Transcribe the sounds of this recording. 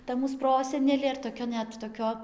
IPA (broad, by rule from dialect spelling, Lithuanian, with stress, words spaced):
ˈtɐ ˈmuːs ˈproːsʲɛnʲɛlʲeː ɪr toːˈkʲɛ ˈnʲɛt toːˈkʲoː